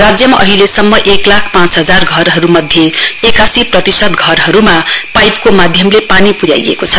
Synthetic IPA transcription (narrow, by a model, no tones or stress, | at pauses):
rad͡zjʌmaʔʌɦilesʌmːʌʔeklakʰpãt͡sɦʌd͡zarɡʱʌɾɦʌɾumʌd̪ʱjeekasiprʌt̪isʌd̪ɡʱʌrɦʌɾumapajpkomad̪ʱjʌmlepanipuɾja̰jḛkot͡sʰʌ